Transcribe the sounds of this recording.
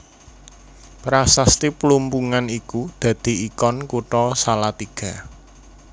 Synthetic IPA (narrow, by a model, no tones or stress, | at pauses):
pɾasast̪iplumpuŋanikud̪̥ä̤d̪̥i̤ikɔnkuʈɔsalat̪iɡ̥a̤